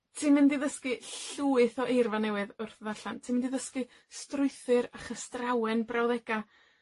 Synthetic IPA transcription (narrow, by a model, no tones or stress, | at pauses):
tʰɪmɪndiðəskɨɬuːɨθɔʔejrvanɛwɨðʊrθðaɬantʰɪmɪndiðəskɨ | strʊɨθɨɾaχəstrawɛnbrawðɛɡ̥a